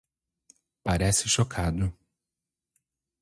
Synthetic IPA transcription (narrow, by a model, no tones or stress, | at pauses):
paɾɛsɪʃokʰad̪ʊ